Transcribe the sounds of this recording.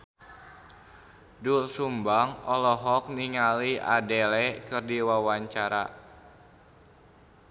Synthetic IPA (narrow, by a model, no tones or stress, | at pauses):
dulsumbaŋɔlɔɦɔk̚niŋalia̰dɛlɛkɨrdiwawaɲt͡ʃaɾa̰